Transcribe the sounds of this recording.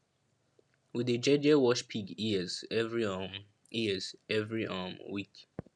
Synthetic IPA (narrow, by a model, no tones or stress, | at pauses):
wiðəd͡ʒɛd͡ʒəwɔʃpʰiɡiəzɛvɹim | iəzɛvɹiʔamwik